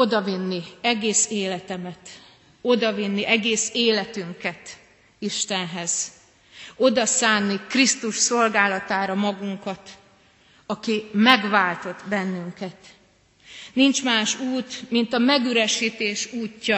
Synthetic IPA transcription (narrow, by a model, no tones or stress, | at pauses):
o̞d̪ɒvinːiɛɡeːseːlɛt̪ɛmɛt̪ | o̞d̪ɒvinːiʔɛɡeːseːlɛt̪yŋkɛt̪ | iʃt̪ɛnɦɛz̥ | o̞d̪ɒsaːnːikrist̪uʃso̞lɡaːlɒt̪aːɾɒmɒɡuŋkɒt̪ | ɒkimɛɡvaːlt̪o̞t̪bɛnːyŋkɛt̪ | nint͡ʃmaːʃuːt̪mint̪ɒmɛɡyɾɛʃiːt̪eːʃuːcːɒ